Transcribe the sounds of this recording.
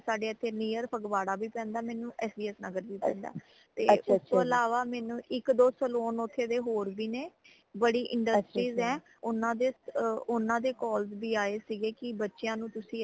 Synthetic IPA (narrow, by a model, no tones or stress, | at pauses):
saːɖeːət̪ʰːeːniːəɾpʰəɡʋaːɽaːbiːpɛ̃ːnd̪aːmɛ̃ːnũːʔɛːsbiːɛːsnaɡəɾbiːt̪ɛ̰̃ːnd̪a̰ː | t̪ḛːtʊst̪oːəlaːʋaːmɛːnũːʔɪkd̪oːsəloːnot̪ʰːeːd̪eːɦoːɾbiːneː | bəɽiːʔɪ̃ɳɖəsʈɾiːzɛ̃ː | ʊnãːd̪eːʊnãːd̪eːkɔːlsbiːaːeːsiɡeːkɪbətːʃejãːnũːt̪ʊsĩː